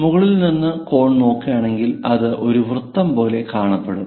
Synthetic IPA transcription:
muɣɐɭilninːɨko̞ːɳno̞ːkːijaːɳe̞ŋɡilɐðɨʔo̞ɾuʋrɨt̪ːɐmpo̞ːle̞kaːɳɐpːeɽum

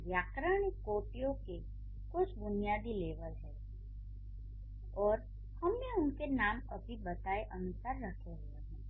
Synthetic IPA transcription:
ʋjaːkɾaːɽ̃ɪkːoːʈijõke | kʊt͡ʃʰbʊnijaːd̪ileːʋəlɦɛː | ɔːɾ | hɐmneʊnkenaːmɐbʱibɐt̪aːeʔɐnʊsaːɾːɐkʰeɦuaɦɛ̃ː

